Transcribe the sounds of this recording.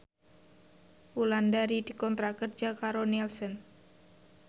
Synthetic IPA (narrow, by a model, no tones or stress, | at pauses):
ulandaɾid̥i̤kɔnt̪ɾakərd͡ʒakaɾonɛlsɔn